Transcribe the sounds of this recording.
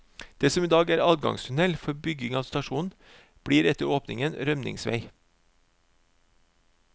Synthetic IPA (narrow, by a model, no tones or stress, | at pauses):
d̪̥eːsɔmiːd̪ɑːɡæːɾɑːd̪ɡɑ̰ŋst̪ʰʊnɛlfɔɾbʏɡɪŋɑːʋst̪ɑʃuːn̩ | b̥ɽiːɾɛt̪əɾoːpnɪ̰ŋənɾœmnɪ̰ŋsʋæ̰ɪ